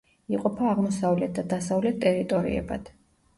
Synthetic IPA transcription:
iqʼɔpʰaːʁmɔsavlɛt̪̚d̪ad̪asavlɛt̪̚t̪ːʼɛɾit̪ʼɔɾḭɛ̰ba̰d̪̥

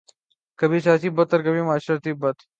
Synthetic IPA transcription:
kɐbiːsaːsiːbɐt̪ːɐɾkɐbʱimaːʃɾat̪iːbɐt̪

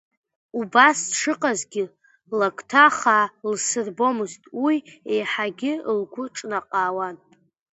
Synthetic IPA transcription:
ubasʂɨqʼazɡʲɪ | lakʷʰʼtʰaχalsɨrbo̞mɨztʼwiejħaɡʲɪlɡʷʊʈ͡ʂʼnaqʼaːwan

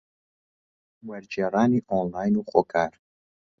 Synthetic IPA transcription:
wɐɾd͡ʒerˤaːniːʔoːnlaːjnuχokʰaːɾ

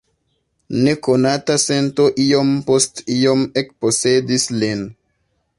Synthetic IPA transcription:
ne̞konatase̞nto̞ʔio̞mpo̞stiomek̚pose̞dislin

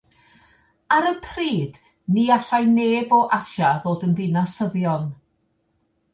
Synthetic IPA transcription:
aɾəpʰriːd̥ | niaɬajneːbɔʔaʃaðoːdənðɪnasəðjɔn

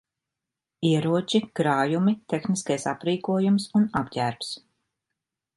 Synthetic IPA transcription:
iɛɾuɔt͡ʃikɾaːjumit̪exniskajsa̰pɾiːkuɔjumsunabɟæːɾps

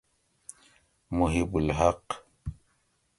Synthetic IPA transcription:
muɦibulɦaq

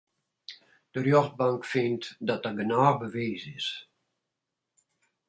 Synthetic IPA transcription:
d̥ərjɔxt̚baŋkfɪntdɔt̚d̥aɡənaːbəʋeːzɪs

